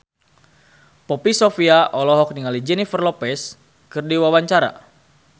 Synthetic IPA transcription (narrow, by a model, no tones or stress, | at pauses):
pɔpisofiaʔɔlɔɦɔk̚niŋalid͡ʒɛnifərlɔpɛs | kɨrdiwawaɲt͡ʃaɾa̰